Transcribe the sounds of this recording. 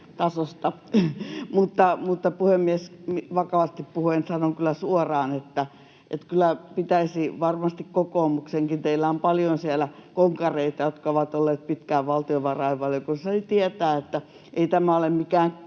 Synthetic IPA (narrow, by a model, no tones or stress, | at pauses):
t̪ɑsost̪ɑ | mut̪ːɑmut̪ːɑpuhemːiesmiʋɑkɑʋɑst̪ippuhuensɑnokylːˑæsuorɑːnet̪ːæ | ʔḛt̪kylˑæpit̪æisiʋɑrmɑst̪ikkokoːˑmukseŋkint̪eilːæompɑljonsielækoŋkɑreit̪ɑjot̪kɑoʋɑt̪olːeːt̪̚pit̪kæːʋʋɑlt̪ioʋɑrɑiʋʋɑljokunːɑsɑnit̪iet̪æːet̪ːæ | ʔeit̪æmæolemmikæːŋ